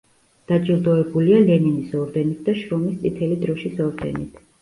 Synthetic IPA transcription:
d̪̥ad͡ʒilˠd̪ɔɛbulialɛninisɔɾd̪ɛnit̪̚ʰd̪aʃɾɔmist̪sʼit̪ʰɛlid̪ɾɔʃisɔɾd̪ɛ̰nit̪ʰ

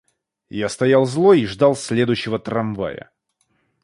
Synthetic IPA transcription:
jast̪ɐjalˠzlˠoiʐd̪ɑlˠsʲlʲe̞d̪ʊjɕːɪvət̪ɾɐmva̰jə̰

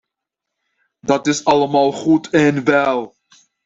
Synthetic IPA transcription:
dɑtɪsɑləmɑːlˠχutʰɛnʋɛlˠ

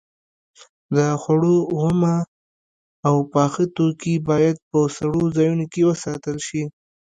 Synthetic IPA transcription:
d̪əxaɽoɣʊma | wpɑxət̪okibɑjad̪̚pəsaɽozɑjunokewəsɑt̪əlʃi

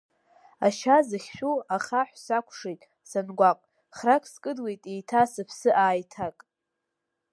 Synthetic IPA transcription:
aʃazɨχʲʃᶣuaχaħʷsakʷʰʂejtʼ | sanɡʷaqʼ | χrakʰʼskʼɨdwe̞jtʼejtʰasɨpʰsɨʔaːjtʰakʼ

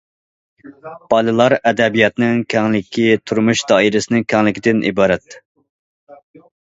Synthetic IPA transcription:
b̥ɑlˠɨlˠɑɾɛd̪ɛbijɑt̪nɪŋkʲʰɛŋlɪkʲʰːit̪ʰuɾmuʃd̪ɑːiɾɪsɪnɪŋkʲʰɛŋlɪkʲʰid̪ɪnʔḭbɑːɾɛt̪ː

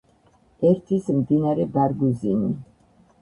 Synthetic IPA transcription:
ɛɾt̪ʰismd̪inaɾɛbaɾɡuzini

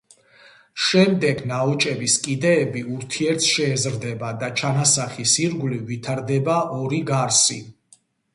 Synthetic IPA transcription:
ʃɛmd̪ɛɡnaɔt͡ʃʼɛbiskʼid̪ɛːbiuɾt̪ʰiɛɾt̪sʃɛːzɾd̪ɛbad̪at͡ʃʰanasaχisiɾɡlivit̪ʰaɾd̪ɛbaʔɔɾiɡaɾsi

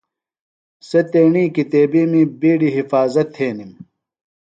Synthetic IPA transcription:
set̪eːɳiːkit̪eːbiːmibiːɽiɦifaːzɐt̪ʰːeːnim

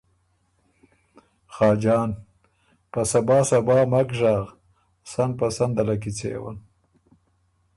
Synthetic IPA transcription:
xɑːd͡ʒɑːn | pasabɑːsabɑːmakʐaːʁ | san̚pasand̪alak̬it͡sḛːwa̰n

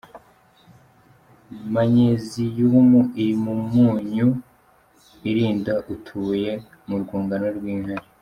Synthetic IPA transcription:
maɲezijumuiɾimumuːɲu | iɾiːndaʔutʰuːje̞ | muɾɡuːŋɡanoɾɡwiːŋhaɾi

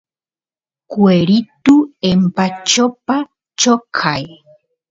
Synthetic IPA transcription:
kweɾit̪uempat͡ʃopa | t͡ʃokʰaj

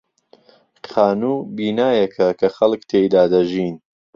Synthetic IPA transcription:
xaːnuːbiːnaːjɐkʰɐkʰɐxɐlkt̪ʰeːjd̪aːd̪ɐʒiːn

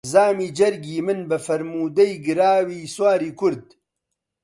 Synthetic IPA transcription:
zaːmiːd͡ʒɐɾɡiːmɨnbɐfɐɾmuːd̪ɐjɡɨɾaːwiːswaːɾiːkʰʊɾd̪̚

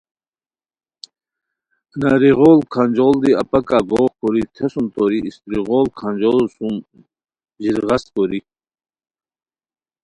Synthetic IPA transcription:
naɾiʁoːlkʰand͡ʑold̪iɐpɐkaːɡoːkoɾit̪ʰesumt̪oɾiist̪ɾiʁolkʰanʲd͡ʑolsum | d͡ʑiɾʁɐst̪̚koɾi

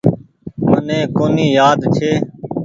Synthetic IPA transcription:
mənẽːkoːniːjaːd̪t͡ʃʰeː

